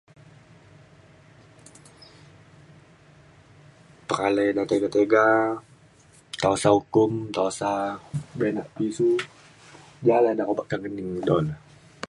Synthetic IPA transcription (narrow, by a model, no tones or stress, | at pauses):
pəɾalɛjnat̪eɡat̪eɡa | t̪aasaukʊmt̪aasabɛnaʔpisu | d͡ʒaladarobaʔkaŋɡəniŋdɔ̰n